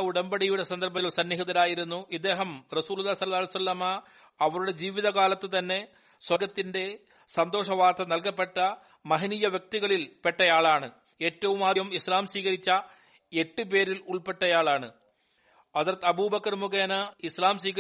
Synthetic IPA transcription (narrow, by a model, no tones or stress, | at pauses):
uɽɐmbɐɽijuɽe̞sɐnd̪ɐrbɐt̪losɐnːiɦiðɐɾaːjiɾunːuʔid̪ːe̞ːɦɐmrɐsuːlulːisɐlɐlːlijsɐlːɐma | ɐʋɐɾuɽe̞d͡ʑiːʋiðɐkaːlɐt̪ːɨt̪ɐnːe̞ | swɐɡɐt̪ːinde̞ | sɐnd̪o̞ːʂɐʋaːrt̪ʰɐnɐlkɐpːe̞ʈːɐ | mɐɦinijɐʋjɐk̚t̪iɣɐɭilpe̞ʈːɐjaːɭaːɳɨ | e̞ːtːɐʋumaːjɐmislaːmswiːɣɐɾit͡ɕːɐ | e̞ʈːɨp̬e̞ːɾiluɭpe̞ʈːɐjaːɭaːɳɨ | ɐsɾɐt̪ːɐbuːbɐkːɐrmukeːnɐislaːmsiːɣɐ